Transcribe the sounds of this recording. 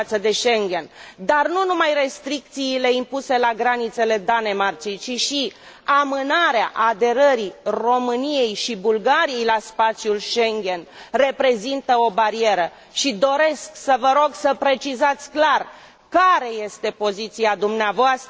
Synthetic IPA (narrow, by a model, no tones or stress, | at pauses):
at̪səd̪e̞ʃe̞ŋɡʲe̞nd̪arnunumajre̞st̪ɾik̚t̪siːle̞impuse̞laɡɾanit̪se̞le̞d̪anemart͡ʃijt͡ʃiʃi | amɨnaɾea̰ʔad̪e̞ɾəɾiro̞mɨnije̞jʃibulɡaɾije̞jlaspat̪sjulʃeŋɡʲe̞nre̞pɾe̞zint̪əo̞baɾie̞ɾə | ʃid̪o̞ɾe̞sksəvəɾo̞ɡsəpɾe̞t͡ʃizat̪sʲklar | kaɾe̞je̞st̪e̞po̞zit̪siad̪umneavoast̪ə